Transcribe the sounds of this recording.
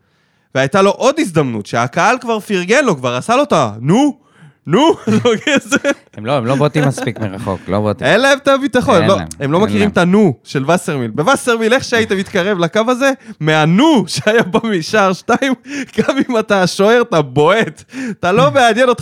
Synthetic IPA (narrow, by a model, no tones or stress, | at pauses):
veajtalo̞ʔo̞d̪is̬d̪amnṵt̪ʃeakaalkvaʁfiʁɡe̞nlo̞kvaʁasalo̞t̪anu | nulokeze | emloemlobot̪imaspikmeʁa̰χo̰klo̰botḭelaemt̪abit̪aχonemloemlo̞makiʁimt̪anuʃe̞lvaseʁmilbe̞vaseʁmile̞χʃeaijt̪emit̪kaʁe̞vlakavaze̞meanuʃeajabamiʃaʁʃtaimɡamimataʃoe̞ʁtabo̞ettalo̞meadjeno̞t̪